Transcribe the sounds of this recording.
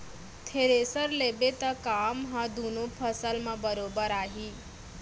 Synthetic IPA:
t̪ʰeɾesəɾlebet̪akaːmɦãd̪ʱunopʰəsəlmãbəɾobəɾaːɦi

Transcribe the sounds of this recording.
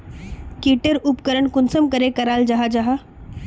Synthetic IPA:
kiːʈəɾʊpkəɾəɳkʊnsəmkɐɾekɐɾaːld͡ʒaɦad͡ʒaɦa

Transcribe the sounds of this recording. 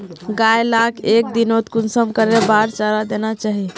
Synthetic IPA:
ɡajlakʰek̚d̪inot̪kunsəmkəɾebaɾt͡ʃaɾad̪enat͡ʃaɦi

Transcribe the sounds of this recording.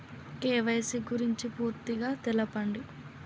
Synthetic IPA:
keːʋɐjsiɡuɾiɲt͡ʃipuːɾt̪iɡaːt̪ɛlɐpɐɳɖi

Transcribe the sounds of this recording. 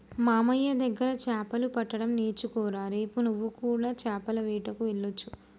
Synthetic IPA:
maːmɐjːɐd̪ɐɡːɐɾɐt͡ʃaːpɐlupɐʈːɐɽɐmneːt͡ʃukɔːɾaːɾe̞ːpunuʋːukuːɽaːt͡ʃaːpɐlɐʋiːʈɐkuʋeɭːot͡ʃːu

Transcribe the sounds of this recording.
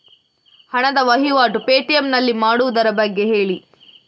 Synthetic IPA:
hɐɳɐd̪ɐʋɐɦiʋaːʈupe̞ːʈijemnɐlːimaːɽuʋud̪ɐɾɐbɐɡːe̞ɦe̞ːɭi

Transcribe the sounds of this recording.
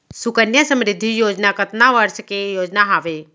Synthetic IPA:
sʊkənjəsəmɾɪd̪ʱːijoːd͡ʒnakət̪naʋəɾskejoːd͡ʒnaɦaʋe

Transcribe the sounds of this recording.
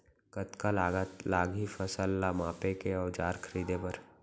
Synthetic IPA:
kət̪kalaːɡət̪laːɡɦifʰəsəlːamãːpekeɔːd͡ʒaːɾkʰəɾiːd̪epəɾ

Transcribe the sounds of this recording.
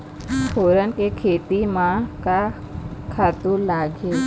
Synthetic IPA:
fʰoːɾənkekʰet̪imãka | kʰaːt̪ũlaːɡe

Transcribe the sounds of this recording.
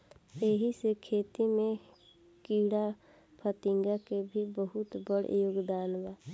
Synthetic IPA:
eɦisekʰeːt̪imẽ | kiːɽa | pʰət̪ɪ̃ŋɡakebʱibəɦʊt̪bəɽ̰joːɡd̪aːnʋaː

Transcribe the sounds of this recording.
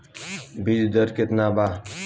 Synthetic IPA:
bid͡ʒd̪əɾket̪naba

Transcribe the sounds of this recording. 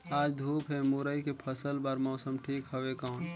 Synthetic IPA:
aːd͡ʒd̪ʱuːpɦɛmuɾəikepʰəsəlbaːɾmɔːsəmʈʰiːkɦəʋekaʊn

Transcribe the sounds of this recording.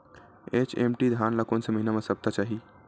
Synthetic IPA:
et͡ʃḛmʈid̪ʱaːnlakonseməɦinamẽsəb̚t̪at͡ʃaːɦi

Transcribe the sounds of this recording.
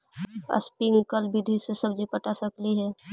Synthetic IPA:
ə̰spiŋɡkəlbid̪ʱisesəbd͡ʒipɐʈasəkliɦɛː

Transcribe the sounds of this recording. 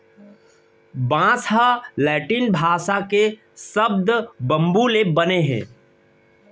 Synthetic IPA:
bãːsalɛːʈinbʱaːʃake | səbd̪bɐ̃mbulebɐneɦɛ̰̃ː

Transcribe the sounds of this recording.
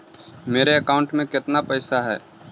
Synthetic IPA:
meːɾeɐkaːʊ̃ɳʈmẽkɪt̪napɛːsaɦɛ̰ː

